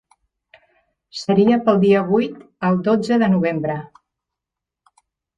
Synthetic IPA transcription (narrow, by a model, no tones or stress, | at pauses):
səɾiəpəlˠd̪iəβ̞ujt̪ | əlˠd̪od͡zəðənuβ̞embɾə